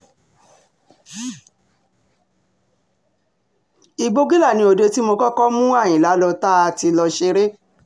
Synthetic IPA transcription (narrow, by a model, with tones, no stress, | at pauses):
i˨ɡ͡bo˧ɡi˦la˦˨nĩ˧˦o˨de˧ti˦mo˧kɔ˦kɔ˦mũ˦a˦˨j̃ĩ˨la˨˦lɔ˧ta˦a˧ti˧lɔ˧ʃe˧ɾe˦